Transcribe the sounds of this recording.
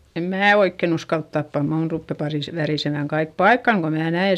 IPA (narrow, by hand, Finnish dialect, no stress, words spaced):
em mæː oikːen uskɑlt tɑpːɑ muːn rupːe pɑriˑs ʋæriˑsemæˑŋ kɑik pɑikːɑŋ ko mnæː næe